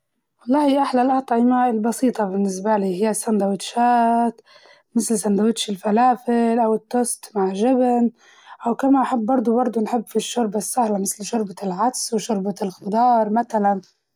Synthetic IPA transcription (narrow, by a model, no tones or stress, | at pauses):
wɑlˤːɑːhiʔaħlalʔɑt̪ˤʕɪmaɪlbɑsiːt̪ˤɑbɪnːɪs̬baliːɦɪjːasːand̪awɪt̪ʃaːt̪ | mɪθlsand̪awɪt̪ʃɪlfalaːfɪlʔawɪt̪ːoːst̪maʕʒɪbn | ʔawkamaʔaħɪbːɑɾˤd̪ˤubɑɾˤd̪ˤunħɪbːfiʃːʊɾbasːahlamɪθlʃʊɾbalʕat̪swɪʃʊɾbalxɪd̪ɑːɾˤmaθalan